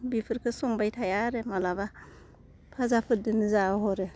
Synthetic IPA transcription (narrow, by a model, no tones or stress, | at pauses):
bipʰɯɾkʰɯsɔŋbajtʰajaɾɯmalaβa | pʰazapʰɯt̚dɯnɯzaɦɔɾɯ